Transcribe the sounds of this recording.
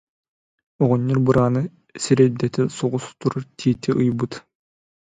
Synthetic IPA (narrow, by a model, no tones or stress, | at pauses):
ɔʁɔnʲːiɾbɯɾaːnɯ | siɾɛld̪ɛt̪ɛsɔʁust̪uɾuɾt̪ʰiːt̪iʔɯjbɯt̪